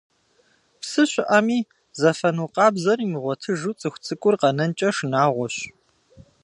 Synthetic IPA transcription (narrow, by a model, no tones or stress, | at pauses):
psɨɕʷɪʔaːmiː | zɐfɐnuːqɑːbzɐriːməʁʷɔtʰɨʒut͡sʼɨxʷt͡sʼɨkʷʼʊrqɐnɐnt͡ʃʼɐʂnaːʁʷɔɕ